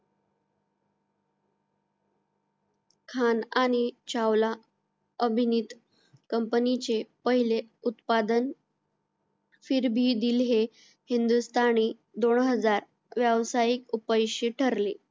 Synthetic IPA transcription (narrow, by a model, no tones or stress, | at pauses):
kʰanaɽ̃it͡ɕawla | əbʱinit̪ | kəmpənit͡ɕepəɦileut̪pad̪ən | fiːɾbʱiːd̪iːlɦe | hind̪ust̪ʰani | d̪oɳɦəd͡zaɾ | ʋjəʋsajikupəjɕiːʈʰəɾle